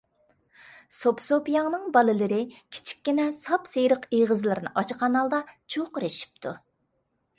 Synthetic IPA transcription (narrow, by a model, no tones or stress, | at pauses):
sopsopijɑŋnɨŋbɑlˠɨlɨɾɪkʲʰi̥t͡ʃʰi̥kʲːinɛsɑpsejɾəqeʁəzlˠɨɾnɨ̰ʔɑt͡ʃʰqʰɑnɑlˠd̪ɑt͡ʃʰoqɾɪʃi̥p̚t̪ʰu